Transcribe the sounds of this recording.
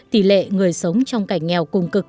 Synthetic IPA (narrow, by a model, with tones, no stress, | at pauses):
t̪i˧˩lḛ˧˨ŋɨ˨˩əjsə˨˦wŋ͡mt͡ɕɔ˧wŋ͡mka˧˩jŋ̟ŋɛ˨˩wkʊ˨˩ŋ͡mkɨ˨˩k̚